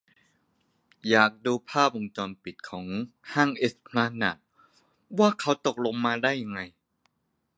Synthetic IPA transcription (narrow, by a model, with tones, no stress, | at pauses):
jaː˨˩k̚duː˧pʰaː˥˩p̚ʔo˧ŋt͡ɕɔː˧npi˨˩t̪̚kʰɔː˩˦ŋhaː˥˩ŋʔe˦˥spʰlaː˧na˨˩t̪̚ | waː˥˩kʰa˦˥wt̪o˨˩k̚lo˧ŋmaː˧daː˥˩jːa˧ŋːa˧j